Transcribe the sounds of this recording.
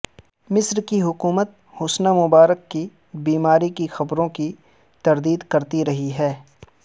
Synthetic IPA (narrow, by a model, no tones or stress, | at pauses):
mɪsɾkiɦʊkuːmət̪̚ | hʊsnamʊbaːɾəkːi | biːmaːɾikixɐbɾõki | t̪ɐɾd̪iːd̪kɐɾt̪iɾɐɦiɦɛː